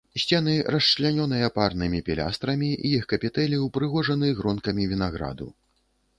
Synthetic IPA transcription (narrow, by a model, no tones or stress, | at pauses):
sʲt͡sʲanɨrɐst͡ʂlʲanʲɔnɨjɐparnɨmʲipʲɛlʲa̰st̪ɾɐmʲiʔḭjixkɐpʲɛt̪ɛlʲiwpɾɨɣɔʐɐnɨɣɾɔnkɐmʲivʲinaɣɾa̰d̪ṵ